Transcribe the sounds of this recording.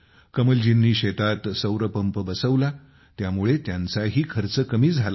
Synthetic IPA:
kəməld͡ʑinːiːɕet̪at̪səwɾəpəmpəbəsəʋla | t̪jamuɭet̪jant͡saɦiːkʰəɾt͡səkəmiːd͡zʱala

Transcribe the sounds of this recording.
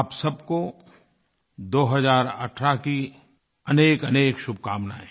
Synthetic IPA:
aːpsɐbko | d̪oːɦɐzaːɾɐ̰ʈʰɾaki | ɐneːkɐneːkʃʊb̚ʱkaːmna̰ːɦẽː

